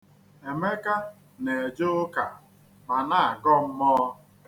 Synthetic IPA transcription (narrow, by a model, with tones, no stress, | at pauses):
e˨me˦ka˦ | ne˨e˨d͡ʒo˦ka˨ | ma˨na˦˨a˨ɡɔ˦m̩˦mɔ˦